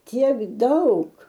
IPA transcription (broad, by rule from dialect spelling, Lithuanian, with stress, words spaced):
ˈtʲiɛk ˈdɐʊk